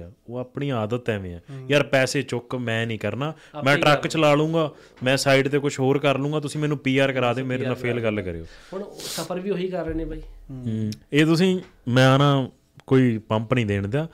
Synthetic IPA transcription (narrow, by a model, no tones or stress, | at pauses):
aːoːaːpɳiːaːd̪ət̪ːɛːʋḛ̃ːɛːjaːɾpɛːseːt͡ʃʊkmɛ̃ːnĩːkəɾnaː | mɛ̃ːʈɾəkt͡ʃlaːɭũːɡaː | mɛ̃ːsaːiɖt̪eːkʊt͡ʃʰɦoːɾkəɾlũːɡaːt̪̬ʊsĩːmɛːnũːpiːaːɾkəɾaːd̪eːoːmeːɾeːnãːpʰeːlɡəlkəɾḛːo̰ːɳsəpʰəɾʋiːoːiːkəɾːeːneːbʱaːiː | eːt̪ʊs̬ĩː | mɛ̃ːənãː | koːiːpəmpnĩːd̪eːɳd̪jaː